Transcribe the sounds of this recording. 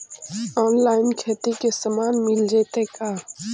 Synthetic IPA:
ɔːnlaːɪnkʰeːt̪ikesəmaːnmɪld͡ʒeːt̪ekaː

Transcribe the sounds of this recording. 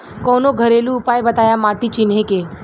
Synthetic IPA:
kɔːnoɡʱəɾelũːpajbət̪aːjamaːʈit͡ɕinɦẽke

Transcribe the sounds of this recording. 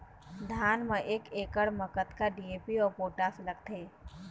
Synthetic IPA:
d̪ʱaːnmẽʔeːkeːkəɽməkət̪kaɖiːeːpiɔːɾpoːʈaːslɐɡ̚t̪eː

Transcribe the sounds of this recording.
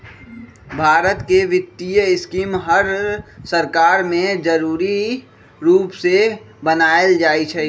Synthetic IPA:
bʱaːɾət̪keʋɪt̪ːijəɪskiːmɦəɾsəɾkaːɾmẽd͡ʒəɾuːɾi | ɾuːpse | bənaːəld͡ʒaːit͡ʃʰɛ

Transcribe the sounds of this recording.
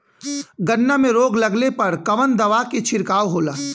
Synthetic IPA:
ɡɐnːamẽɾoːɡlɐɡlepɐɾkɐʋənd̪ɐʋaːket͡ʃʰɪɾkaːʋɦoːlaː

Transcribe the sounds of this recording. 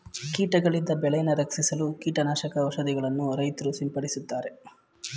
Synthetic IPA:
kiːʈɐɡɐɭind̪ːɐbɛɭɐjɐnɐɾɐksisɐlukiːʈɐnaːʃɐkɐʋɐʃɐd̪iɡɐɭɐnːuɾɐjt̪ɐɾusimpɐɽisut̪ːaːɾe̞

